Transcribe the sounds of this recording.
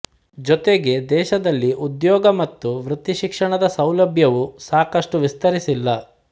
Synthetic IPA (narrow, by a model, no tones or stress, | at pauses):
d͡ʒɔt̪eɡe̞d̪ɛːʃɐd̪ɐlːiʔud̪jɔːɡɐmɐt̪ːuʋɾut̪iʃikʂɐɳɐd̪ɐsɐwlɐbʱjɐʋusaːkɐʂʈuʋist̪ɐɾisilːɐ